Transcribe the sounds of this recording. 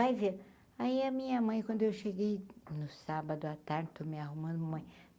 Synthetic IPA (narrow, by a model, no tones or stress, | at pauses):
ajveɾ | aiɐmĩɲɐmɐ̃j̃kwʷɐ̃nd̪ʊewʃeɡejnʊsabɐd̪ʊat̪aɾd͡ʒɪt̪omɪaɦumɐ̃nd̪ʊmɐmɐ̃j̃